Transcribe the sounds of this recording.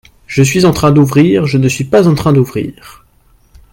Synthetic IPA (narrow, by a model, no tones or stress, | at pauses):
ʒ̥əs̬ɥizɑ̃t̪χɛ̃d̪uvʁiʁʒənəsɥipazɑ̃t̪χɛ̃d̪uvʁḭːʁ